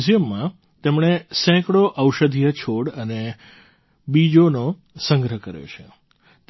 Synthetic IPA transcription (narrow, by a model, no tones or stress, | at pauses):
zjəmːã | t̪emɳesɛ̃kɽoʔəwʃəd̪ʱijət͡ʃʰoɽəne | bid͡ʒono | səŋɡɾəɦkəɾjo̰t͡ʃʰḛ | t̪